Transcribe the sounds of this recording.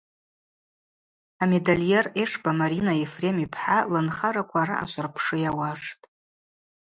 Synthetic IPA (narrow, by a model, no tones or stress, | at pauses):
ame̞daljereʂbamaɾinaefre̞mipʰħalɨnχaɾakʷʰaɾa̰ʔa̰ʃʷarpʰʂɨjawaʂtʼ